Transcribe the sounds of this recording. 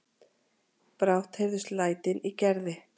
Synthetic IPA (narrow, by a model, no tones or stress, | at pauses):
pɾawht̪hejɾðʏst̪laːjt̪ɪnicɛɾðɪ